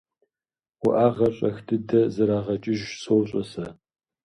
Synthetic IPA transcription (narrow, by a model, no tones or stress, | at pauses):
wʊʔaːʁɐɕʼɐxdʰɨdɐzɐɾaːʁɐt͡ʃʼɪʒsoːɕʼɐsɐ